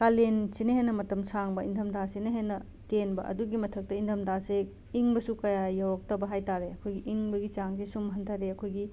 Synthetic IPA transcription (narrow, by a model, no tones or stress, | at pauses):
kalensinɐɦenːɐmɐtɐmsaŋbɐindʱɐmdasinɐɦenːɐ | tenbɐʔɐ̰duɡimɐtʰɐk̚tɐindʱɐmdase | iŋbɐsukɐjajawɾɐk̚tɐbɐɦajtaɾeɐkʰojɡiʔiŋbɐɡit͡ʃaŋsisumɦɐntʰɐɾeɐkʰojɡi